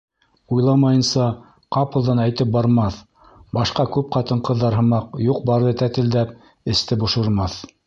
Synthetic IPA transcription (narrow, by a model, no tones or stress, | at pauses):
ujlˠɑmɑjɤ̆nsɑ | qɑpɤ̆lˠðɑnæjt̪ɘp̚bɑɾmɑθ | bɑʃqɑkʉp̚qɑt̪ɤɴqɤ̆ðːɑɾɦɤ̆mɑqjuq̚bɑɾðɤt̪æt̪ɘ̆ld̪æp̚ | ɘ̆st̪ɘbŏʃɤ̆ɾmɑθ